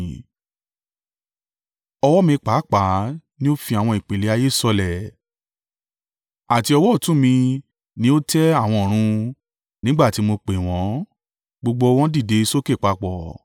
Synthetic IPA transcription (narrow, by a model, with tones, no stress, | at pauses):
ɔ˧wɔ˦mĩ˧k͡pa˨˦k͡pa˨˦nĩ˦o˦fi˧˦a˨w̃ɔ̃˧i˨k͡pe˨le˨˦a˧je˦˨sɔ˧lɛ˨ | a˨ti˧ɔ˧wɔ˦˨tũ˦˨mĩ˧ | nĩ˧˦o˦tɛ˦a˦˨w̃ɔ̃˧˨ɾ̃ũ˧ | nĩ˦ɡ͡ba˦˨ti˨˦mo˧k͡pe˨w̃ɔ̃˨˦ | ɡ͡bo˧ɡ͡bo˧w̃ɔ̃˦di˦˨de˨˧i˧so˦ke˦˨k͡pa˧k͡pɔ˨